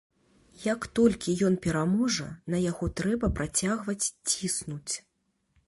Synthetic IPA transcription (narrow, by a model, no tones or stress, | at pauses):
jɐkt̪ɔlʲkʲijɔnpʲɛɾamɔʐɐ̰nɐjaɣɔt̪ɾɛbɐpɾʔat͡sʲaɣvɐt͡sʲt͡sʲisnut͡sʲ